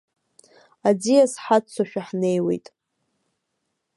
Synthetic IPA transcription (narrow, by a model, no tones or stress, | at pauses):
ad͡zijasħat͡sʰaʃᶣaħne̞jwe̞̰jtʼ